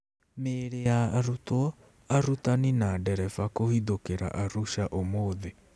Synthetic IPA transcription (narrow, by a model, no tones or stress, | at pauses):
meɾeaːɾutwɔ | aɾutaninadɛɾɛfakohiðokeɾa̰ʔaɾuʃaʔomoðe